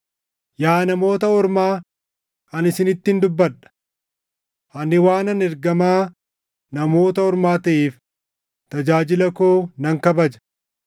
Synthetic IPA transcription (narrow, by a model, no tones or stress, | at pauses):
jaːnɐmo̞ːt̪ɐɔɾmaː | ʔɐnɪsɪnɪt̪ːɪnd̪ʊbːɐᶑɐ̥ | hɐnɪwaːnɐnɛɾɡɐmaː | nɐmo̞ːt̪ɐɔɾmaːt̪ɐʔiːf | t̪ɐd͡ʒaːd͡ʒɪlɐkoːnɐŋkɐbɐd͡ʒɐ̥